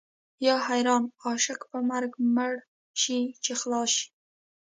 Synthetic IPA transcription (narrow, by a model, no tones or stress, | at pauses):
jɑhajɾɑnɑʃakpəmaɾɡmaɽ | ʃit͡ʃexlɑʃi̥